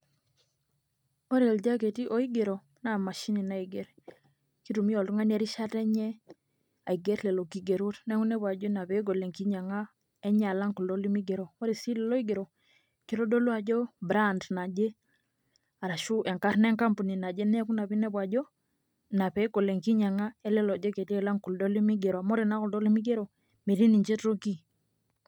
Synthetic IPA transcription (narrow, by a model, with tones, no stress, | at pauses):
ɔ˦ɾi˨ɛ˨ld͡ʒa˦kɛ˨ti˦ʔɔ˦i˦ɡɛ˨ɾɔ˨ | na˨ma˨ʃi˦ni˨na˦i˨ɡɛ˨ɾ | ki˦tu˨mi˦ɔ˨ltu˦ŋa˦n˦ɛ˦ɾi˦ʃa˦tɛ˦ɲɛ˦ | a̰˨i˨ɡɛ˦tlɛ˨lɔ˨ki˨ɡɛ˨ɾu˦tnɛ˦ŋu˦nɛ˦βa˨d͡ʒɔ˦na˨pɛ˨˦ɡɔ˨lɛ˨ŋki˦ɲa˨ŋa˦ | ɛ˦ɲa˨la˦ŋku˨lɔ˦li˦mi˦ɡɛ˨ɾo˨ɔ˦ɾi˨si˦lɛ˨lɔ˦i˦ɡɛ˨ɾɔ˨ | ki˦ɾo˦do˦lu˦a˨d͡ʒɔ˦bɾa˦ndna˨d͡ʒɛ˦ | a˨ɾa˨ʃu˦ʔɛ˨ŋka˦ɾnɛ˦ŋka˦mpu˨ni˨na˨d͡ʒɛ˦nɛ˦ku˦na˨bi˦nɛ˦bwa˨d͡ʒɔ˦ | na˨pɛ˨˦ɡo˨le˨ŋki˦ɲa˨ŋa˦ɛ˦lɛ˦lɔ˨d͡ʒɔ˦ke˨ti˦ɛ˦˨la˦ŋku˨ldɔ˦li˦mi˦ɡɛ˨ɾa˨mɔ˦ɾi˨na˦ku˨ldɔ˦li˦mi˦ɡe˦ɾo˨ | me˨ɾi˦ni˨ɲt͡ʃɛ˦tɾo˦ki˦